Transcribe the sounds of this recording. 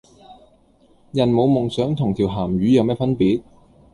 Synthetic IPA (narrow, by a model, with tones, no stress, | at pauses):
jɐ˨˩nmo˨˧wmʊ˨˩ŋsœː˨˥ŋt̪ʰʊ˨˩ŋt̪ʰiː˨˩wɦaː˨˩mɥyː˨˧jɐ˨˧wmɛː˥˩fɐ˥npiː˨˥t̚